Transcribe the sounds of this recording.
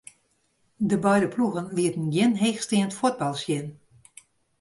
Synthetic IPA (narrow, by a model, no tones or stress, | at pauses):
dəbœjdəpluɣənʋiətən̩ɡjɪnɦeːxstiəntfot̚bɑlˠsjɪn